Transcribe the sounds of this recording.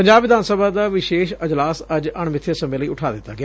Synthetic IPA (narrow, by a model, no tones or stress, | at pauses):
pɐɲd͡ʑaːbʋɪd̪aːnsəbʱad̪aːʋɪʃeːʃɐd͡ʒlaːsɐd͡ʑəɳ̃mʋɪt̪ʰiəsə̃mbeləiːʊʈʰaːd̪ɪt̪aɡɪa